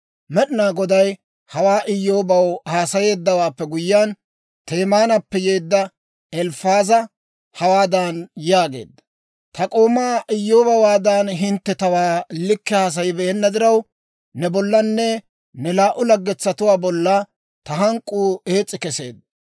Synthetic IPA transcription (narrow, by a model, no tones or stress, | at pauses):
mɛɗɪnaːɡɔd̪ɐj | hɐwaːʔɪjːo̞ːbɐwhaːsɐje̞ːd̪ːɐwaːpːɛɡʊjːaːn | t̪e̞ːmaːnɐpːɛjeːd̪ːɐ | ɛlfaːzɐ | hɐwaːd̪aːnjaːɡe̞̰ːd̪ːɐ | t̪ɐkʼo̞ːmaːʔɪjːo̞ːbɐwaːd̪anɦɪnt̪ːɛt̪ɐwaːlɪkːɛhaːs̬ɐjɪbɛʔɛnːɐd̪ɪɾɐwː | ɛbɔlːɐnːɛ | nɛlaːʔʊlɐɡːɛt͡sːɐt̪ʊwaːbɔlːa | t̪ɐɦɐŋkʼːuːe̞ːt͡sʼːɪkɛse̞̰ːd̪ːɐ